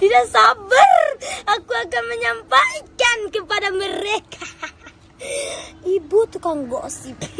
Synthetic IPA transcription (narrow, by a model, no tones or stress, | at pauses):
t̪idaʔsabərakuakanməɲampajkankəpadaməɾekʰa | ibut̪ukaŋɡɔʔsib